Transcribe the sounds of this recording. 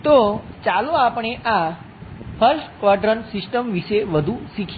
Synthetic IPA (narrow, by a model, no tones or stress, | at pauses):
t̪ot͡ʃaloapɳ̃eʔa | pʰəɾʃkʋaʈɾənsisʈəmʋiʃeʋəd̪ʱusikʰ